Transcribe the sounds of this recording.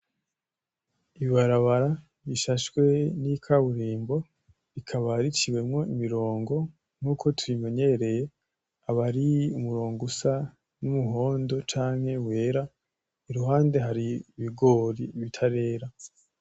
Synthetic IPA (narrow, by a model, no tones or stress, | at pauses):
iβiβaɾaβaɾa | βiʃaʃwe̞nikʰaβuɾiːmbo̞ | ɾikʰaβaɾit͡ʃiwe̞mŋo̞imiɾo̞ːŋɡo̞ | n̥uːkʰo̞tuɾime̞ɲe̞ɾe̞je̞ | aβaɾiumuɾo̞ːŋɡusa | numuɦo̞ːndo̞t͡ʃaːŋhe̞we̞ːɾa | iɾuɦaːnde̞ɦaɾiβiɡoɾiβitʰaɾe̞ːɾa